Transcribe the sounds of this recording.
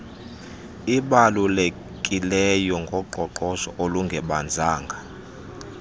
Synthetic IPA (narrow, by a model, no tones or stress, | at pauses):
iɓalule | kʼilɛjɔŋɡʱɔɡ͡ǃʱɔǃɔʃɔʔoluŋɡʱɛɓand͡zʱaːŋɡʱa